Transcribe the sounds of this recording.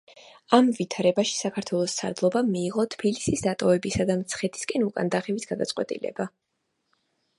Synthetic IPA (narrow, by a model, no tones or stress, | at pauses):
amvit̪ʰaɾɛbaʃi̥sakʰaɾt̪ʰwɛlˠɔst̪sʰa̰ɾd̪lˠɔbamiːʁɔt̪ʰbilisisd̪at̪ʼɔvɛbisad̪amt̪sʰχɛt̪ʰi̥skʼɛnukʼa̰nd̪aχɛvisɡad̪at̪sʼqʼwɛ̰t̪ʼḭlɛ̰ba